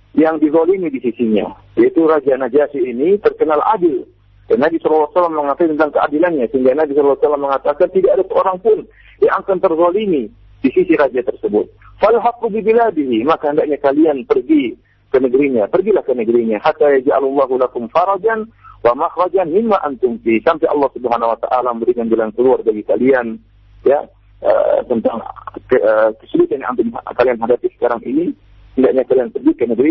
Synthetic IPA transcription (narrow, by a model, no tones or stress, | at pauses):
jaŋdiðolinidisisiɲa̰ | jait̪uɾad͡ʒanad͡ʒasiːnit̪ərkənalʔa̰dɪl | d̥anːabisɔlɑlːɑsalːamːəŋat̪akit̪ənt̪aŋkəʔa̰dilanɲasəɦiŋɡanabisɔllːsalːamːəŋat̪akant̪idaʔadasəoɾaŋpʊn | jaŋakant̪ərðolini | disisiɾad͡ʒat̪ərsəbʊt̪̚ | falɦaqːubibiladiɦimakahəndaʔ̚ɲakalianpərɡi | kənəɡəɾiɲapərɡilahkənəɡɾiɲahat̪ːajad͡ʒʔa̰lulːɑɦulakʊmfɑɾˤɑd͡ʒan | wamaxɾɑd͡ʒanmɪmːaʔant̪ʊmfisampajʔɑ̰lːɑhsubəɦanawat̪a̰ʔalaməmbəɾikand͡ʒalankəluarbaɡikalian | ja̰ | ʔə̰t̪ənt̪aŋkəəkə̥səbut̪anjaa̰nt̪ʊmkalianɦadap̪isə̥kaɾaŋʔini | həndaʔɲakalianpərɡikənəɡɾi